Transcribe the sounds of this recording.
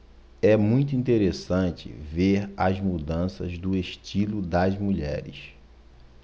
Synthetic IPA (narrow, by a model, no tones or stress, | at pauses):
ɛmũj̃t̪ʊuĩnt̪eɾesɐ̃nt͡ʃɪ̰veɾɐzmud̪ɐ̃sɐ̰zd̪ʊeʃt͡ʃilʊd̪ɐzmuʎɛ̰ɾɪ̰s